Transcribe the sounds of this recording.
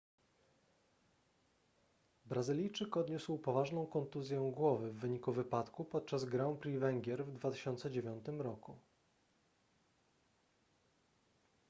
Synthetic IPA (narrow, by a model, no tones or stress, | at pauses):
bɾazɘlʲijt͡ʂɘkɔd̪ɲuswpɔvaʐnɔ̃w̃kɔnt̪uzʲjɛ̃ɡwɔvɘvːɘɲikuvɘpat̪kupɔt̪̚t͡ʂazɡɾaw̃pɾivɛŋɡʲjɛɾvd̪vat̪ɘ̥ɕɔnt̪sɛd͡ʑevʲjɔnt̪ɘmɾɔku